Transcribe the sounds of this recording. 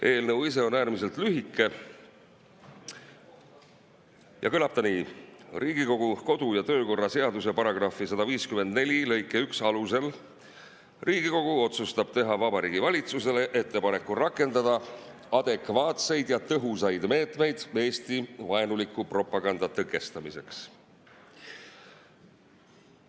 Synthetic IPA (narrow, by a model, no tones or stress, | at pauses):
ʔe̞ːlnɤwis̬e̞o̞næːrmis̬e̞lt̪lyɦikːˑe̞ | jʔɑ̰kɤlɑb̥̚t̪ɑniːrʔiːɡiko̞ɡ̥uko̞d̪ujɑt̪ø̞ːko̞rːɑse̞ɑd̪us̬epɑɾɑɡ̥rɑfisɑd̪̥ɑviːskyme̞nd̪ne̞lʲilɤ̞jkːˑe̞yksɑluse̞l | rʔiːɡiko̞ɡ̥uo̞t̪sust̪ɑb̥t̪e̞ɦɑvɑbɑɾiːɡ̥ivɑlʲit̪suse̞le̞ʔe̞t̪ːe̞pɑne̞kːˑurɑkːˑe̞nd̪ɑd̪̥ɑ | ɑd̪̥e̞kˑvɑːt̪se̞jd̪̥jɑt̪ɤɦusɑjd̪̥me̞ːt̪me̞jd̪̥me̞ːst̪ivɑenulikːˑupro̞pːˑɑɡ̥ɑnd̪̥ɑt̪ɤkːˑe̞st̪ɑmise̞ks